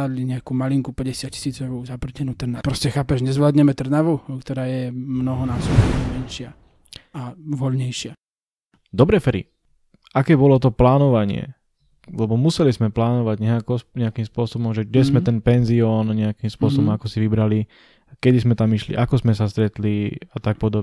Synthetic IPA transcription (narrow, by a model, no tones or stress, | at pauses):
ad̪liɲɛakuːmaliŋkupɛɟɛsɪat̚ci̥siːt͡sɔʋzapr̩cɛnuːt̪r̩napɾɔscɛxaːpɛʒɲɛzʋlaːd̪ɲɛmɛt̪r̩naʋukt̪ɔɾaːjɛmnɔɦɔnaːsɔbɔmɛnʃɪa | aʋɔʎɲɛjʃɪa | d̪ɔbɾɛfɛɾḭ | akɛːbɔlɔt̪ɔplaːnɔʋaɲɪɛ̰ | lɛbɔmusɛlizmɛplaːnɔʋaɟɲɛakɔɲɛakimspʊɔsɔbɔmʒɛɡɟɛzmɛt̪ɛnpɛnziɔnɲɛakimspʊɔsɔbɔmakɔsiʋibɾali | kɛd̪izmɛt̪amiʃlḭʔakɔzmɛsast̪ɾɛt̪liat̪ak̚pɔd̪ɔb